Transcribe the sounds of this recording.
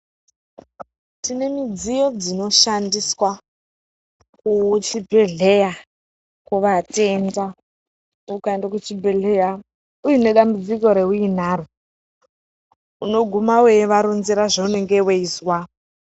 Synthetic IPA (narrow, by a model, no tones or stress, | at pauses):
tine̞mid͡zijo̞d͡zino̞ʃandiswa | kut͡ʃibʱeɮe̞ja | kuʋatenda | ukaendakut͡ʃibʱeɮeja | ujine̞ɗambud͡ziko̞ɾe̞ɦuin̤aːɾu | uno̞ɡʱumawejeʋaɾunziɾaʐaune̞ŋɡeweiswa